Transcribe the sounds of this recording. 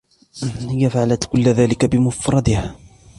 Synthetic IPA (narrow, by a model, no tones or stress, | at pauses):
hɪjːafaʕalat̪kʊlːðaːlɪkabɪmʊfɾˤɑd̪ɪha